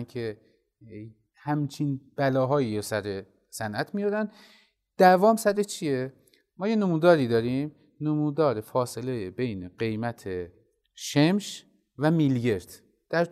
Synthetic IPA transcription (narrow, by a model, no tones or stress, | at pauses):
nkʰe | hæmt͡ʃʰinb̥ælɒːɦɒːjiːɾosæɾe | sænʔæt̪ʰmijoɾæn | d̪̥ævɒːmsæɾet͡ʃʰije | mɒːje̞nomuːd̪ɒːɾiːd̪ɒːɾiːm | nomuːd̪ɒːɾe̞fɒːse̞lejebe̞jne̞ɢe̞jmæt̪ʰe | ʃemʃ | væmilɡe̞ɾd̪̥ | d̪̥æɾt̪